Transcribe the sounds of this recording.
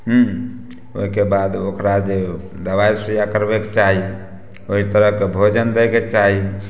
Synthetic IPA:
ɦũ | o̰ɦikebad̪okɾad͡ʒe | d̪əbajsijakəɾbekt͡ʃaɦi | oɦit̪əɾəɦkebʱod͡ʒənd̪ɛket͡ʃaɦi

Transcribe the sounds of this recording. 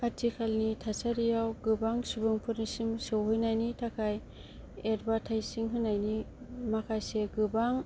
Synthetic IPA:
katʰikʰalnitʰasaɾijawɡɯbaŋsubɯŋpʰɯɾnisimsɯwɦɯjnajnitʰakʰaj | eɾbatʰajsiŋɦɯnːajni | makʰajseɡɯbaŋ

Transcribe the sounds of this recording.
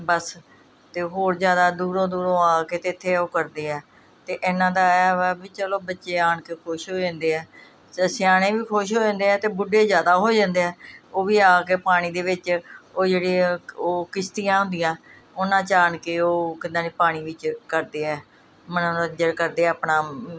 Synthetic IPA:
bəs | t̪eːɦoːɾzjaːd̪aːd̪uːɾõːd̪uːɾõːaːkeːt̪eːɪt̪ʰːeːoːkəɾd̪eːɛː | t̪eːʔeːnãːd̪aːɛːbiːt͡ʃəloːbətːʃeːaːɳkeːkʰoːʃɦoːd͡ʒãːnd̪eːɛː | ssɪjaːɽ̃ẽːʋiːkʰoʃ̬ɦoːd͡ʒãːnd̪eːɛːt̪eːbʊɖːeːzjaːd̪aːɦoːd͡ʒãːnd̪eːɛːoːʋiːaːkeːpaːɽ̃iːd̪eːʋɪt͡ʃoːd͡ʒeːɽiːoːkɪst̪ijãːɦʊ̃nd̪ɪjãː | ʊnãːt͡ʃaːəɳkeoːkɪnãːniːpaːɽ̃iːʋɪt͡ʃkəɾd̪eːɛː | mənõːəd͡ʒəɾkəɾd̪eːaːpɳaː

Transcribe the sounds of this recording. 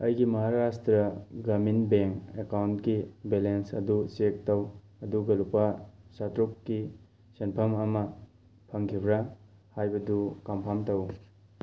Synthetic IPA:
ɐjɡimɐɦaɾastɾɐɡɐminbeŋkekawntkibelensɐ̰dusek̚tɐw | ɐduɡɐlupasatɾukːi | senpʰɐmɐmɐ | pʰɐŋkʰibɾa | hajbɐdukampʰamtɐw

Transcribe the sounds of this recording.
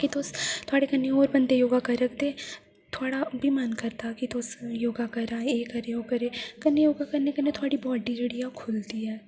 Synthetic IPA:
kit̪oːst̪ʰʊaːɽekɐneoːɾbɐ̃nd̪ejoːɡakɐɾɐkʰd̪eː | t̪ʰoaːɽabʱimankɐɾt̪akit̪oːsjoːɡakɐɾaːeekɐɾeokɐɾekɐnejoːɡakɐɾnekɐnet̪ʰʊaːɽibɔːɖiɾeɽijakʰʊlt̪iɦɛː

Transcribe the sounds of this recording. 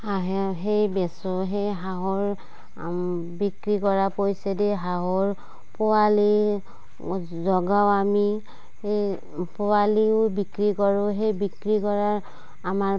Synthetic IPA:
aɦeɦejbɛsoɦejɦaɦoɹ | bikɹikɔɹapojsɛdɛɦaɦoɹ | pʊali | zɔɡawami | e | powaliʊbikɹikɔɹʊɦejbikɹikɔɹa | amaɹ

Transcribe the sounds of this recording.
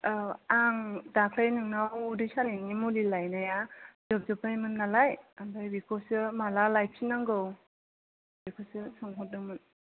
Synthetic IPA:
aŋdakʰlajnɯŋnawudɯjsaliŋimulilajnajazɔp̚zɔpʰajmɯnːalajambajbikʰɔsɯmalalajp̚ʰsinaŋɡɯw | bikʰosɯsɔŋɦut̚nɯmɯn

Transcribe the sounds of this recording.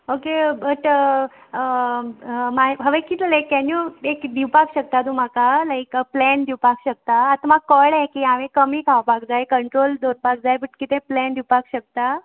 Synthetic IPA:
okebəʈə | ə | majɦəʋekit̪lajkːɛnjuekd̪iwpakɕək̚t̪at̪um̤akalajkplɛnd̪iʋpakɕək̚t̪aːt̪amakəɭekiaʋẽkəmiːkʰaʋpakd͡zajkəɳʈɾold̪oɾpak̚d͡zajbəʈkit̪ẽplɛnd̪ʱiwpakɕək̚t̪a

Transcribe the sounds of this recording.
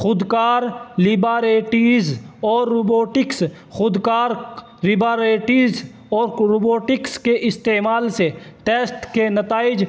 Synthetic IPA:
xʊd̪kaːɾlibaːɾeːʈiːzɔːɾːoboːʈɪks | xʊd̪kaːɾ | ɾɪbaːɾeːʈiːz | ɔːɾɾoːboːʈɪkskeʔɪst̪eːmaːlseʈeːsʈkenɐt̪aːɪd͡ʒ

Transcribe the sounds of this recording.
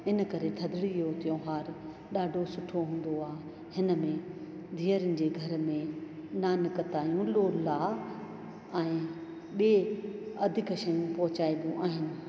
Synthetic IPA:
ɦɪnəkɐɾet̪ʰɐd̪ʱɪɽijoːt̪ijõɦaːɾ | ɗaːɖʱosʊʈʰoɦũːn̆d̪oaːɦ | hɪnəmẽ | d̪ʱiːəɾənɪ̆d͡ʑeːɡʱɐɾmẽ | naːnɪkət̪aːjũloːlaː | ɛ̃ː | ɓeːɐd̪ʱɪkʃɐjũpɐɦʊt͡ɕaːibũʔaːɦɪnɪ̆

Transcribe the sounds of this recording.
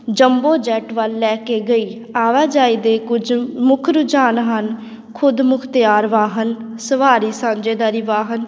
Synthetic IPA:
d͡ʒəmboːd͡ʒɛːʈʋəlːɛːkeːɡəiː | aːʋaːd͡ʒaːiːd̪eːkʊd͡ʒmʊkʰɾʊd͡ʒaːnɦən | kʰʊd̪mʊkʰt̪ɪjaːɾʋaːɦənsəʋaːɾiːsãːd͡ʒeːd̪aːɾiːʋaːɦən

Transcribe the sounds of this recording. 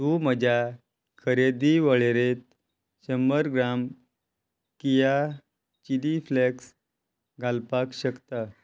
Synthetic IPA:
t̪um̤əd͡ʑʱa | kʰəɾed̪iʋəɭeɾet̪ | ɕəməɾɡɾam | kija | t͡ɕilifleks | ɡʱalpakɕəkt̪a

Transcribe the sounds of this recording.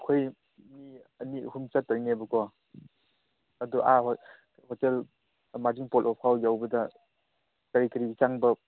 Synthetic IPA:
ɐkʰoj | miɐnihumt͡ʃatanebɐkɔ | ɐdɔʔaɦ | hɔtel | maziŋpɔlɔp̚ʰawjawbɐda | kaɾikɐɾit͡ʃaŋbɐ

